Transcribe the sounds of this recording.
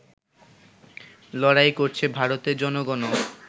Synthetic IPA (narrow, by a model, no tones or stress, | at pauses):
lɔɽajkoɾt͡ɕʰebʱaɾot̪eɾd͡ʑɔnoɡɔno